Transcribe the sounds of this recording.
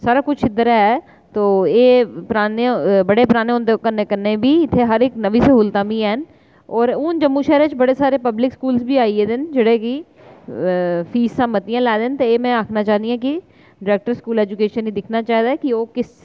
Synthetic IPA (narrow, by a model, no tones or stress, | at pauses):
saːɾakʊt͡ʃʰɪd̪əɾaɦɛː | t̪oːeːpɾaːnebɐɽepɾaːneõnd̪ekənekəɾnebʱiɪt̪ʰːeɦɐɾeknəʋiseɦʊlt̪ãːbiɛːn | ɔːɾʊnd͡ʒəmːuʃɛːɾet͡ʃbɐɽesaːɾepəblɪkskuːlsbʱiaːiẽd̪ɪnd͡ʒɪɽeki | fʰiːssãːmət̪ijãlɛːd̪ent̪eeːmɛ̃aːkʰnat͡ʃaːniɦɛ̃ki | ɖɾeːk̚ʈəɾskuːlɛːd͡ʒʊkeːʃənɦid̪ɪkʰnat͡ʃaːɦd̪aɦɛkioːkɪs